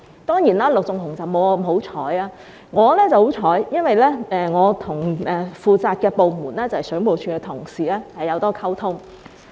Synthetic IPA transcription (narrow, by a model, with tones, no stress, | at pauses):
t̪ɔː˥ŋjiː˨˩naː˧˥lʊ˨k̚t͡sʊ˨ŋhʰʊ˨˩ŋt͡sɐ˨wmo˨˧wa˧mɦo˨˥wt͡ʃʰɔː˨˥jaː˧ | ŋɔː˨˧lɛː˥t͡sɐ˨who˨˥wt͡ʃʰɔː˨˥jjɐ˥nwɐ˨jlɛː˥ɛː˧ŋɔː˨˧t̪ʰʊ˨˩ŋɛː˨fuː˨˧t͡saː˧t̚kɛː˧po˨wmuː˨˩nlɛː˥t͡sɐ˨˧hɛ˨jsœː˨˥ŋmo˨wt͡ʃʰyː˧kɛ˧t̪ʰʊ˨˩ŋsiː˨˩lɛː˥hɐ˨jːɐ˨˧wt̪ɔː˥kʰɐ˥wt̪ʰʊ˥ŋ